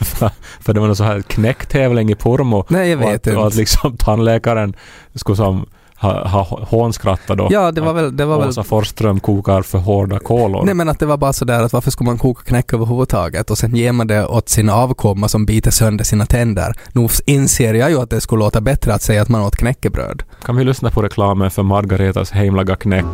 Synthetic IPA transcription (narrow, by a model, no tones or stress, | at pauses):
ffœɖɛvaɾnɛs̬ɔhæːkʰnɛkːt̪ʰɛːvlɪŋɪpʰʊɾmʊnɛjaveːt̪ːat̪lɪksɔmt̪ʰanlɛːkaɾən | skɵsɔm | hɑ̰ɦɑ̰ːhoːnskɾat̪ːad̪ɔ̰jɑːd̪ɛvaɾvɛld̪ɛvaɾvɛlsafɔɾst̪ɾœmkʰuːkaɾfœɾɦoːɖakʰoːlʊ̰ɾnɛmɛnat̪̚d̪ɛvaɾbɑːɾasɔd̪æːɾat̪vaɾfœʂkɵləmankʰuːkḁkʰnɛkːøːvəɾɦuːvəd̪t̪ʰɑ̰ːɡət̪ɔsɛnjeːɾmand̪ɛʔot̪siːnaɑːvkʰɔmːasɔmbiːt̪əsœnd̪əsiːnat̪ʰɛnd̪ə̰ɾnʉːɪnseːɾjajʉat̪̚d̪ɛsklloːt̪abɛt̪ɾəat̪sɛjaːt̪manoːt̪kʰnɛkːəbɾø̰ːd̪ | kʰanvɪlʏsnapʰɔɾɛkʰlɑːmənfœɾmaɾɡaɾeːt̪a̰shɛɪmlaɡakʰnɛkː